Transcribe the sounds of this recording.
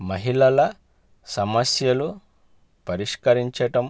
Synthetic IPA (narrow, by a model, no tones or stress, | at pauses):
mɐɦiɭɐlɐ | sɐmɐsjɐlu | pɐɾiʂkɐɾiɲt͡ʃɐʈɐm